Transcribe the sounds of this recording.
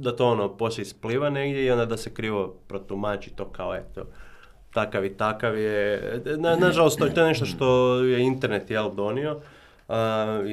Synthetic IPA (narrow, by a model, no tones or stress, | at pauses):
d̪at̪o̞onopo̞sleispliʋaneɡd̪ʲjeio̞nd̪ad̪asekɾiːʋo̞pɾot̪umat͡ʃit̪o̞kaoet̪o̰ | t̪akaʋit̪akaʋjenanaʒalost̪oet̪o̞eneʃt̪oʃt̪o̞jeint̪eɾnet̪jeld̪o̞nio̞